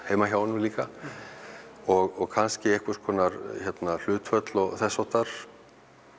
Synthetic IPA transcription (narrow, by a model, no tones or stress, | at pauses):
heːjmaçjawnuliːka | ɔɣɔɣkʰanscɪɛhkvɛ̥skʰɔːnaɾçɛt̪nal̥ʏːt̪fœt̪lɔɣθɛsːɔht̪aɾ̥